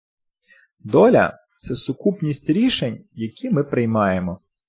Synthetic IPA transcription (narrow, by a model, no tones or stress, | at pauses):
d̪ɔlʲɐ̰ | t̪sɛsʊkupnʲisʲtʲɾʲiʃenʲjɐkʲimɪpɾɪjmɑjemɔ